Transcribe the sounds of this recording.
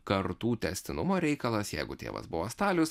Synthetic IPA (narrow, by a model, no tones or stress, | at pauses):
kɐɾt̪uːt̪ʲɛsʲt̪ʲɪnʊmoːɾʲɛɪkɐlˠɐsjɛ̰ɪɡʊt̪ʲḛːʋɐ̰sbʊʋoːst̪ɑːlʲʊs